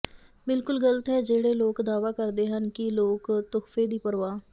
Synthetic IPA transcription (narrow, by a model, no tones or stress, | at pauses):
bɪlkʊlɡələt̪ɦɛːd͡ʒeːɽeːloːkd̪aːʋaːkəɾd̪eːɦənkɪloːkt̪ʊkfeːd̪iːpəɾʋaː